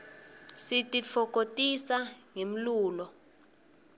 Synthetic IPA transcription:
sitʼifʰɔk̬ʼotʼisaŋem̩luːlɔ

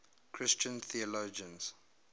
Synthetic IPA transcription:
kʰɹɪst͡ʃə̃nθiɔlod͡ʒə̃nz

